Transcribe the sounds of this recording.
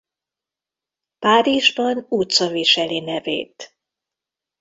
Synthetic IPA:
paːɾiʒbɒnut̪sɒviʃɛlinɛvḛːt̪

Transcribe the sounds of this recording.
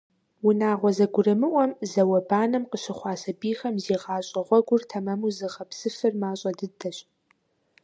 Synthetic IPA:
wʊnaːʁʷɔzɐɡʷʊrɨmɨʔʷɔmzɐwɐbaːnɐmqəɕɪχʷɑːsɐbiːxɐmziːʁɑːɕʼɐʁʷɔɡʷʊrtʰɐmɐmuzɨʁɐpsɨfɨrmaːɕʼɐdɨdʰɐɕʼ

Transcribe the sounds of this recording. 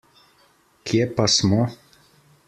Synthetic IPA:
kjɛpasmɔ

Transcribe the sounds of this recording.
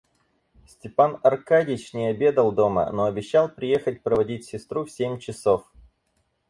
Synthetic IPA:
sʲtʲɪpanɐrkadʲɪt͡ɕnʲɪɐbʲe̞d̪əlˠd̪o̞mə̰no̞ɐbʲɪɕːalˠpɾʲɪje̞xət̚ʲpɾəvɐdʲitʲsʲɪst̪ɾufsʲemʲt͡ɕɪso̞f

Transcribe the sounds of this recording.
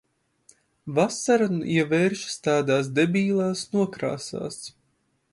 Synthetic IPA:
vasaɾanuʔiɛvɛːɾʃst̪aːd̪aːs̬d̪ebʲiːlˠaːsnuɔkɾa̰ːsa̰ːs

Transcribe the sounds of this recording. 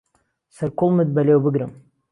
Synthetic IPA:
sɨɾkʊlmɨd̪̚balewbɨɡɾɨm

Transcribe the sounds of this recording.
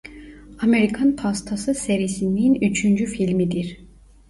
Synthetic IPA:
ameɾikʰanpʰast̪ʰasɯseɾijisininyt͡ʃʰynd͡ʒyfilʲmid̪iɾ̥

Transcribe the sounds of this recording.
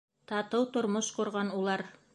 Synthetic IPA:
t̪ɑt̪ɤwt̪ŏɾmoʃqŏɾʁɑnulˠɑɾ

